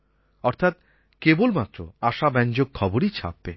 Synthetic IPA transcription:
ɔɾt̪ʰat̪ | kebolmat̪ːɾo̰aʃabɛnd͡ʑoɡ̚kʰɔboɾit͡ɕʰa̰p̚ːe

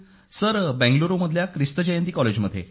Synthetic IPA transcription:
səɾbɛ̃ŋɡloɾoməd̪ʱljakɾist̪əd͡ʑəjənt̪iːkɔled͡ʑməd̪ʱːjḛ

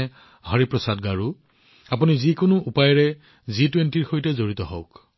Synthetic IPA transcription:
ɦɔɹipɹɔsadɡaɹu | apunizikʊnʊʔupajɹɛ | zitwentiɹxojtɛzoɹit̪ɔɦɔʊk

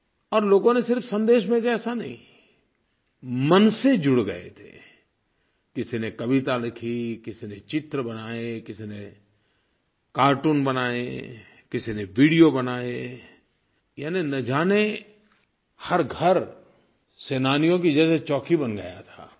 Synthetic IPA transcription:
ɔːɾloːɡõnesɪɾfsə̃nd̪eːʃbẽd͡ʒɛːsanɐ̰ɦḭ̃ | mɐnsed͡ʒʊɽɡɐḛt̪ʰḛ | kɪsinekɐʋɪt̪alɪkʰikɪsinẽt͡ʃɪt̪ɾəbɐnaːekɪsinẽ | kaːɾʈuːnbɐnaːḛ | kɪsinẽʋiːɽijobɐnaːe | jaːninɐd͡ʒaːne | hɐɾɡʱɐɾ | seːnaːnijõk̬id͡ʒɛːset͡ʃɔːkʰibɐnɡɐja̰t̪ʰa̰ː

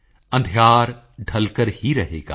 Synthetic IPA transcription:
ɐ̃nd̪ʱjaːɾ | ɖʱɐlkəɾhiɾɐɦḛːɡa̰ː

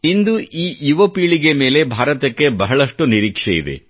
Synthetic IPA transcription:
ind̪uʔiːjuʋɐpiːɭiɡe̞me̞ːle̞bʱaːɾɐt̪ɐkːe̞bɐɦɐɭɐʂʈuniɾiːkʂeḭd̪ḛ

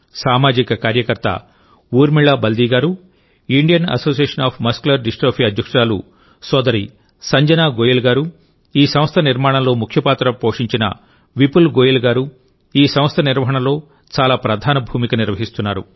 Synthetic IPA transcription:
saːmaːd͡ʒikɐkaːɾjɐkɐɾt̪ɐ̰ | uːɾmiɭːaːbɐld̪iːɡaːɾu | iɳɖijɐnɐ̰so̞ːs̬ijeːʂɐnaːpʰmɐskulɐɾɖisʈɾoːpʰiɐd̪ʱjɐkʂɐɾaːlṵ | sɔːd̪ɐɾi | sɐɲd͡ʒɐnaːɡoːjilɡaːɾu | iːsɐ̃mst̪ʰɐniɾmaːɽɐ̃mlo̞ːmukʰjɐpaːt̪ɾɐpoːʂiɲt͡ʃinɐ̰ | ʋipulɡoːjilɡaːɾu | iːsɐmst̪ʰɐniɾʋɐɦɐɳɐlo̞ː | t͡ʃaːlaːpɾɐd̪ʱaːnɐbʱuːmikɐniɾʋɐɦist̪unːaːɾṵ

